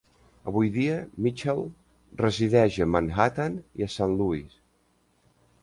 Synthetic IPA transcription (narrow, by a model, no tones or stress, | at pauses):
əβujðiəmit͡ʃɛlˠ | rəziðɛʒəmanhat̪aniəsanluis